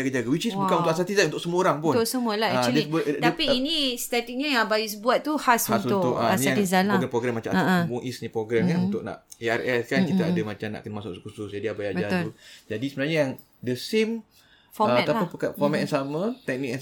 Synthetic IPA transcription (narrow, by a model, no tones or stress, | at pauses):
d͡ʒaɡad͡ʒaɡawit͡ʃisbukanunt̪ʊʔas̬at̪izanunt̪ʊʔsəmuoɾaŋpʊnt̪səmũəlaadɛbəd̪t̪əpiinist̪at̪ik̚ɲəjaŋbajus̬buat̪ːuhashuansuʊt̪ʊʔaaniaat̪izalaoɡɾɛmpɾoɡɾɛmːat͡ʃãmuŋisɲəpɾoɡɾɛmkanunt̪ʊk̚na̰ʔearɛskankit̪aadəmat͡ʃamna̰ʔkənəmasʊ̰kskususd͡ʒadiabajabəd͡ʒat̪ʊɾud͡ʒadisəbənaɲəjaŋ | dəsem | fɔt̪alapapəkafɔmɛt̚jaŋsamə̃t̪ɛk̚nik̚jã